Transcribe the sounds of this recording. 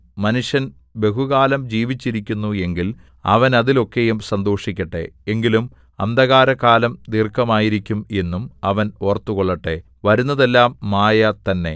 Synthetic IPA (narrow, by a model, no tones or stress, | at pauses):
mɐnuʂjɐn | be̞ɦuɣaːlɐmd͡ʑiːʋit͡ɕːiɾikʲːunːue̞ŋɡil | ɐ̰ʋɐnɐðilo̞kːe̞jumsɐnd̪o̞ːʂikʲːɐʈːe̞̰eŋɡilum | ɐ̰nd̪ɐɣaːɾɐkaːlɐmd̪iːrkːɐmaːjiɾikʲːume̞nːumɐʋɐno̞ːrt̪ːuɣoɭːɐʈːe̞ | ʋɐɾunːɐðe̞lːaːmːaːjɐt̪ɐnːe̞̰